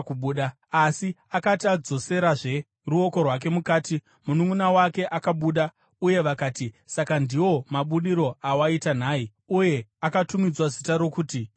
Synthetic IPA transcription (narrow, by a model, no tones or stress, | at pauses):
kuɓuːɗa | asiakatiad͡zo̞se̞ɾaʐe̞ | ruo̞ko̞rwak̬e̞mukaːti | munuŋunawake̞ʔakaɓuːɗa | uje̞ʋakaːtisakandiwo̞maɓuɗiɾo̞awaitanaːi | uje̞akatumid͡zwazitaɾo̞kuːti